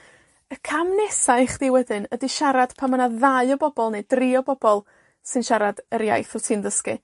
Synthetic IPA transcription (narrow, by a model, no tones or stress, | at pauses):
əkʰamnɛsajχd̥iwɛdɨnədiʃaɾad̥pʰamanaðaɨɔbɔbɔlˠnedriɔbɔb̥ɔlˠ | sɨnʃaɾadəɾja̰jθʊtʰiːnðəskɨ